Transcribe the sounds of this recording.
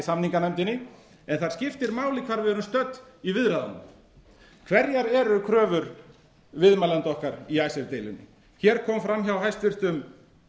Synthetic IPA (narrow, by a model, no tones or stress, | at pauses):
samniŋkanɛjmt̪ɪnːɪ | ɛnθaɾ̥scɪft̪ɪɾmaːwlɪkʰvaɾvɪðɛɾʏmst̪œt̪ːivɪðɾaðanʏ | kʰvɛɾjaɾɛɾʏkʰɾœːvʏɾ | vɪðmalant̪ɔhkaɾiajsɛɾt̪ejlɪ̰nːɪ̰ | çɛɾkʰɔːmfɾamçawɦajst̪vɪr̥t̪ʏm